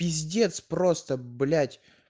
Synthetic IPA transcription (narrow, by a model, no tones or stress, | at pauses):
ɪzʲdʲe̞t̪spɾost̪əblʲætʲ